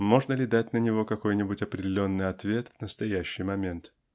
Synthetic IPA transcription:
mo̞ʐnəlʲɪd̪atʲnənʲɪvo̞kɐko̞jnʲɪbʊtʲɐpɾʲɪdʲɪlʲo̞nːɨjɐt̪vʲe̞t̪vnəst̪ɐjæɕːɪjmɐmʲe̞nt̪

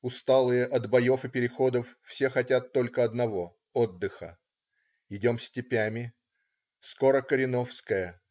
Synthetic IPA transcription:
ʊst̪alˠɨjəʔɐd̪bɐjo̞fɨpʲɪɾʲɪxo̞d̪əfːsʲe̞xɐtʲat̪ːo̞lʲkəɐd̪nɐvo̞ | od̪ːɨxə̰ | ɪdʲo̞msʲtʲɪpʲæmʲɪ | sko̞ɾəkəɾʲɪno̞fskəjə

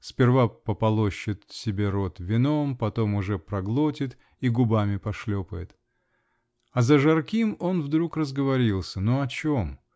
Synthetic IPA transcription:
spʲɪrvapəpɐlˠoɕːɪt̪sʲɪbʲe̞ɾo̞t̪vʲɪno̞mpɐt̪o̞mʊʐɛpɾɐɡlˠotʲɪt̪ | iɡʊbamʲɪpɐʂlʲopəjɪt̪ | ɐzəʐɐrkʲimo̞nvd̪ɾukrəzɡəvɐɾʲilˠsʲənoɐt͡ɕom

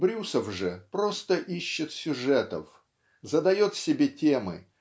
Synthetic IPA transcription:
bɾʲusəfʐɨpɾo̞st̪əʔiɕːɪt̪sʲʊʐɛt̪ə̰f | zəd̪ɐjo̞t̪sʲɪbʲetʲemɨ̰

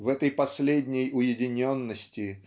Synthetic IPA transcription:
vɛt̪əjpɐsʲlʲedʲnʲɪjʊjɪdʲɪnʲonːəsʲtʲɪ

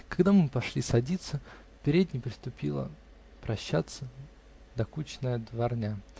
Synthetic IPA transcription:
kɐɡd̪amɨpɐʂlʲisɐdʲit̪sə | pʲɪɾʲedʲnʲɪjpɾʲɪst̪ʊpʲilˠə̰ | pɾɐɕːat̪sə | d̪ɐkut͡ɕɪnəjəd̪vɐrnʲa

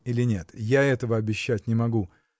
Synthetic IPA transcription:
ilʲɪnʲe̞t̪jaɛt̪əvəɐbʲɪɕːæt̚ʲnʲɪmɐɡu

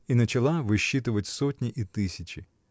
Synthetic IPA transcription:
inɐt͡ʃɐlˠaʋɪʃːit̪̬ʊʋɐtʲsɔtʲnʲiʔit̪ɪsʲɐt͡ʃʲi

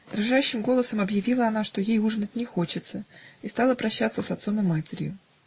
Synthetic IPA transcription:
d̪ɾaʐaɕːɪmɡo̞lˠəsəmɐbjɪvʲilˠəɐnaʂt̪o̞jejuʐnət̚ʲnʲɪxo̞t͡ɕɪt̪səist̪ɑlˠəpɾɐɕːat̪səsɐt̪so̞mɨmatʲɪɾʲjʊ̰

